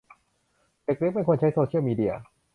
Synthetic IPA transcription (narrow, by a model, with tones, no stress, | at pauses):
t̪e˨˧˩k̚ɾi˦˥pe˧nkʰo˧nt͡ɕʰa˦˥jsoː˧t͡ɕʰi˥˩wmiː˧di˧˥ɐ̰˧